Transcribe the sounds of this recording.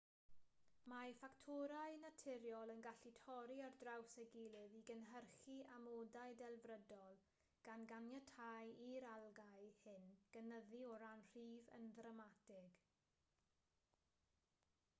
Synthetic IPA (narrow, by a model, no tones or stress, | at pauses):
mafaktʰoɾaɨnatʰɪɾjɔlˠənɡaɬitʰɔɾiardrawsəɡɪlˠɪðiɡənɦərχiʔamodajdɛlˠvrədɔlˠ | ɡ̥anɡanjatʰajiɾalˠɡajhɪnɡ̥ənəðiɔɾanr̥iːvə̰nðrəmatɪɡ̥